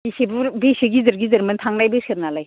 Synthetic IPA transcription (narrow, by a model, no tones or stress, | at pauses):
isibɯɾbesiɡizɯɾɡizɐɾməntʰaŋnajbɯseɾnalaj